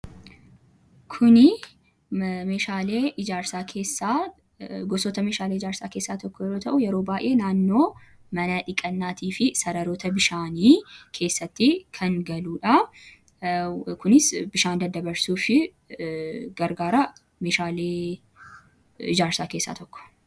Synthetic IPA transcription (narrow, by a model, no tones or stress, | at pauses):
kʰʊnɪ | meːʃaːleːʔɪd͡ʒaːɾsaːkʰe̞ːsːaː | ɡɔsɔt̪ɐmeːʃaːleːɪd͡ʒaːɾsaːkeːsːaːt̪ɔkːɔjɛɾoːt̪ʰɐʔʊjɛɾo̞ːbaːjʔe̞ːnaːnːo̞ː | mɐnɐᶑɪkʼɐnːaːt̪ʰiːfɪsɐɾɐɾoːt̪ɐbɪʃaːniːkʰe̞ːsːɐt̪ːɪkʰɐŋɡɐluːᶑɐ | kʊnɪsbɪʃaːnd̪ɐd̪ɐbɐɾsuːfɪ | ɡɐɾɡaːɾɐ | meːʃaːleː | ɪ̰d͡ʒaːɾsaːke̞ːsːa̰ːt̪ɔkːɔ̥